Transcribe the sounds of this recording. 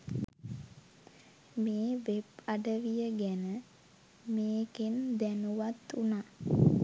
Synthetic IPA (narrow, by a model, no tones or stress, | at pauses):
meːʋebaɖəʋijəɡænə | meːkend̪ænuʋat̪ːuna